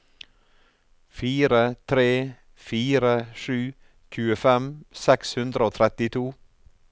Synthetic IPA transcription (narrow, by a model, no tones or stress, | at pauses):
fiːɾət̪ʰɾeː | fiːɾəʃʉː | c͡çʉːəfɛmsɛkshʉnd̪ɾəoːt̪ʰɾɛt̪ɪt̪ʰuː